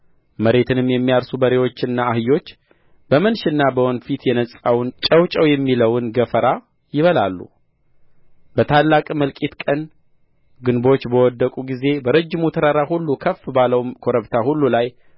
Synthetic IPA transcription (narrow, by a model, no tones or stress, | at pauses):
məɾe̞t̪ʰɨnɨmːjɛmːijalsubəɾewo̞t͡ʃːɨnːaːhɨjo̞t͡ʃː | b̥əmənʃɨnːabəwonfit̪jɛnəsʼawnt͡ʃʼəwt͡ʃʼəwjɛmːiləwnɡəfəɾa | jɪβəlalːṵ | bət̪ʰalːakʼməlkʼit̪kʼən | ɡɨnbo̞t͡ʃːbəwɔd̪ːəkʼuɡize̞bəɾəd͡ʒːɪmut̪ʰəɾaɾahulːukʰəfːbaləwmkʰo̞ɾəβt̪ʰahulːulaj